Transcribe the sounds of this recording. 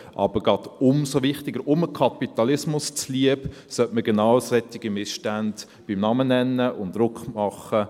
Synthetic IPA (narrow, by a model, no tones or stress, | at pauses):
ʔɑ̰b̥əɾɡɑd̥ʊmsoʋɪχtɪɡəɾʔʊməkʰɑpit̪ɑlɪsmʊst͡sliəb | sœtməɡenɑwsɛtːɪɡimɪsʃtænd̥ | b̥imnɑmənɛnːəʔʊndɾʊkχmɑχə